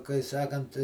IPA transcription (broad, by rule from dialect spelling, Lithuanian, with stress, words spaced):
kɐɪ ˈsɑːkɐnt